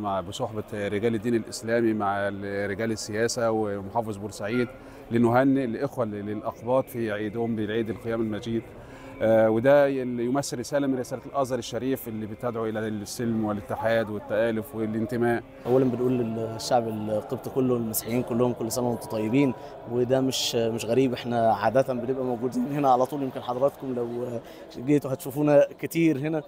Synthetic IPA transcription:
maʕbesˤoħbɑɾeɡæːlɪd̪ːiːnɪlʔɪslæːmimaʕɾːeɡæːlɪsːejæːsæwemoħɑːfezˤbuɾsaʕiːd̪ | lenːʊɦænːlʔexwæelʔɑqbɑːt̪ˤfiʕiːd̪hombelʕiːd̪elqejæːmælmæd͡ʒiːd̪ | wed̪æjomæsːeɾːesæːlæmɪnɾɪsæːlælʔɑzˤɣɑɾˤeʃːæɾiːfʔelːibet̪æd̪ʕuʔelæsːɪlmwelɪt̪ːɪħaːd̪wɪt̪ːæʔæːlʊfwelʔɪnt̪ɪmæːʔ | ʔæwːælæmbenʔuːlelʃːaʕbelqebt̪ˤkolːolmæsħejːiːnkʊlːʊhomkolːsælæmʊt̪ɑ̥t̪ˤɑjːebiːn | wed̪æmeʃmeʃɣæɾiːbʔeħnæʕaːd̪æt̪æmbenebʔæmowɡuːd̪iːnɦenæʕalæt̪ˤuːljemkenħɑd̪ˤɑɾˤɑt̪komlæw | ɡeːt̪uhæt̪ʃuːfuːnæket̪iːɾhenæ

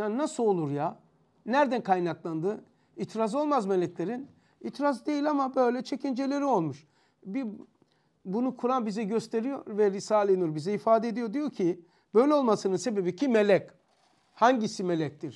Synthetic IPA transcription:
jaːnnasɯo̞lˠuɾja | næɾd̪ænkʰajnaklˠand̪ɯ | it̪ʰɾazo̞lˠmazme̞lʲɛclʲe̞ɾin | it̪ʰɾazd̪e̞jilʲamabø̞jlʲɛt͡ʃʰe̞cʰind͡ʒe̞lʲe̞ɾio̞lˠmuʃ | bi | bunukʰuɾambizɛɟøst̪ʰe̞ɾijo̞ɾvɛɾisaːlʲˠenijo̞ɾbizɛifaːd̪eed̪ijo̞ɾd̪ijo̞cʰi | b̥ø̞jlʲɛo̞lˠmasɯnɯnse̞be̞bicʰimelʲɛc | haɲɟisime̞lʲɛc̚t̪iɾ̥

